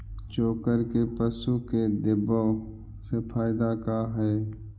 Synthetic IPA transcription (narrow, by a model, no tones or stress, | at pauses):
t͡ʃoːkəɾkepəsuked̪ɪbo | sefʰaːjɪd̪akaɦɛː